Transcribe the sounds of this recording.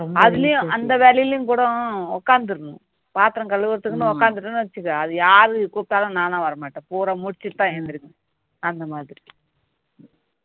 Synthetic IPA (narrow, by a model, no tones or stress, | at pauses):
ɐðɪlɐjʊ̃ʔɐnd̪ɐʋeːlɐjɪljʊ̃kuːɽɐ̃ɔkːaːnd̪ɯɾɯnʊ̰̃ | paːt̪ɯɾɐ̃ŋkɐɭːɯʋɯɾt̪ːɯkːɯnɯɔkːaːnd̪ɯʈːɐnːɯʋɐt͡ʃːɯkːɐɐðɯjaːɾɯkuːp̚t̪aːlɐ̃nãːt̪ãːʋɐɾɐmaːʈːɐ̃puːɾɐmʊɽɪt͡ʃːɯʈt̪ːãːend̪ɪɾɯŋɡɐ | ɐnd̪ɐmaːðɾi